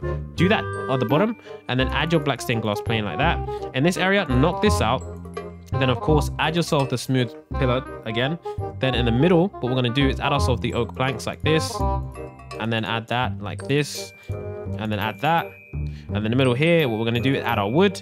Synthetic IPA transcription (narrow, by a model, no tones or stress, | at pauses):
d̥ɨðəɾəðəbɑɾə̃mʔɨ̃nðɨ̃nʔæ̰djə˞blækstɪ̃nɡlɑspʰl̥ẽɪ̃nlaɪk̚ðæt̚ɨ̃nðɪsɛɹiɨnɑk̚ðɪsaʊt̚ | ðɨ̃ñʌv̥kʰɔɹsʔædjə˞sɛlˠfðəsmʉð̥ | pʰɪlˠəɨɡɛ̃nðɨ̃nɨ̃nðəmɪɾl̩ˠwʌt̚wɨɹɡʌ̃nɨdɨɨsæ̰ɾaəʊə˞sɛlˠfðiʔoʊk̚pʰl̥æ̃ŋkslaɪk̚ðɪs | ə̃nðɨ̃nʔæ̰d̪̚ðət̚la̰ɪk̚ðɪs | ɨ̃nðɨ̃ñæ̰d̪̚ðæt̚ | ə̃nðɨ̃nðəmɪɾl̩ˠɦiɹwʌtwə˞ɡʌnɨdɨɪzæ̰ɾaə˞wʊd̥